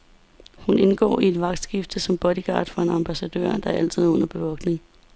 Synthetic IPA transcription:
hune̝nɡ̥ɒ̰ːie̝d̥ʋɑ̈ɡ̥d̥sɡ̥ifd̥əsɒ̽mb̥ɒ̽ɾ̥iɡ̥ɑ̰̈ːd̥fʁɑ̈e̝nɑ̈mb̥æsæd̥ø̰ɐ̰d̥ɑ̈æɐæl̰t͡sʰið̞̰ˠɔ̽n̰ɐb̥e̝ʋɒ̽ɡ̥ne̝ŋ

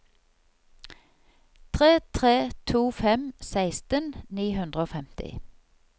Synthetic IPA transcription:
t̪ʰʁeːt̪ʰʁeːt̪ʰuːfɛmsæɪst̪ənniːhʉnd̪ʁəoːfɛmt̪ɪ̰

